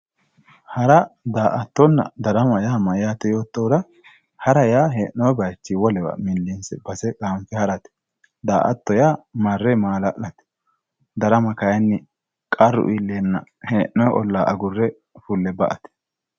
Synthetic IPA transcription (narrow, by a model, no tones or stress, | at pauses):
hɐɾɐd̪aːʔɐt̪ːɔnːɐ̰d̪ɐɾɐmɐjaːmɐjaːt̪ːɛjo̞ːt̪ːod̪ɐ | hɐɾɐjaːɦeːʔnːɔjɛbɐjt͡ʃːiwɔlɛwɐ̰mɪlːinsɛbɐsɛkaːmfɛhɐɾɐt̪ɛ̥ | d̪a̰ːʔɐ̰t̪ːɔjaːmɐrːɛmaːlɐʔlɐt̪ɛ̥ | d̪ɐɾɐmɐkɐjɛnːɪ | kʼɐrːʊ̰ʔilːeːnːɐheːʔnːɔjʔɔlːaːʔɐɡʊrːɛ | fʊlːɛbɐʔɐt̪ɛ̥